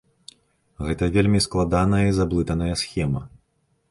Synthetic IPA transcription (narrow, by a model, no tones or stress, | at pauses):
ɣɛt̪ɐvʲelʲmʲisklˠad̪anɐjɐizablˠɨt̪ɐnɐjɐsxʲɛmɐ